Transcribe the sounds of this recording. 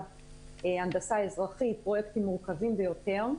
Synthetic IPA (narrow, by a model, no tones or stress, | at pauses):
eand̪asaezʁaχit̪̚pʁo̞jekt̪imːuʁkavimbejo̞t̪e̞ʁ